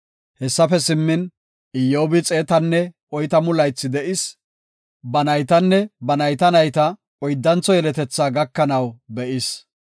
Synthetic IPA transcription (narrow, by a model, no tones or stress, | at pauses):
hɛsːɐfɛsɪmːɪn | ɪjːoːbɪt͡sʼe̞ːt̪ɐnːɛ | ɔjt̪ɐmʊlɐjt͡sːɪd̪ɛʔɪs | bɐnɐjt̪ɐnːɛbɐnɐjt̪ɐnɐjt̪ɐ | ɔjd̪ːɐnt͡sɔjɛlɛt̪ɛt͡sːaːɡɐkːɐnɐwbɛʔɪs